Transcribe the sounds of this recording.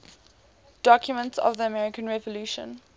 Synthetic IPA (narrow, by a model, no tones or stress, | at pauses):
d̥ɔkʰjʊmə̃ntsɔ̰vðiəmɛɹɪkə̃nɹɛvəluːʃə̰̃n